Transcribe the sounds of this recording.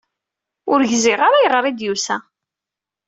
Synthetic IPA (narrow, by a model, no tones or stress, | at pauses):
ʊɾʝzɪʁaɾajəʁɾˤid̪jusæ